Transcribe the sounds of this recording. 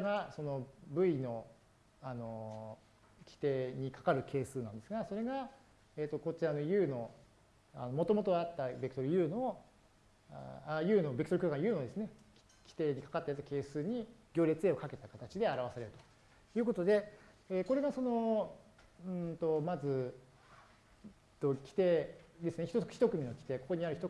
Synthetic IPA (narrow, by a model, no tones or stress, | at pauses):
ɡaso̞no̞bɯ̟ino̞ | ano̞ | kʲi̥t̪e̞ːɲ̟ikḁkaɾɯ̟kʰe̞ːsɨːnãnd̪e̞sɨɡaso̞ɾe̞ɡa | eːt̪ːo̞kot͡ɕiano̞jɯ̟ːno̞ | a̰no̞mo̞t̪o̞mo̞t̪o̞at̪ːabeki̥t̪oɾɯ̟jɯːno̞ | ajɯ̟ːno̞beki̥t̪oɾ̟kʲokãjɯ̟ːno̞d̪e̞sɨne̞ | kʲi̥t̪e̞ːɲ̟ikḁkat̪ːajat̪ːake̞ːsɨːɲ̟iɡʲo̞ːɾʲe̞t͡sɨe̞ːo̞kake̞t̪akat̪at͡ɕid̪e̞aɾaβasaɾe̞ɾɯ̟t̪o | jɯ̟ːko̞t̪o̞d̪e̞ | eko̞ɾe̞ɡaso̞no̞ | ɯ̃t̪o̞mazɨ | t̪ːokʲi̥t̪ed̪e̞sɨneçit̪oçi̥t̪o̞kɯ̟mʲino̞kʲi̥t̪e̞ko̞ko̞ɲ̟iaɾɯ̟çit̪o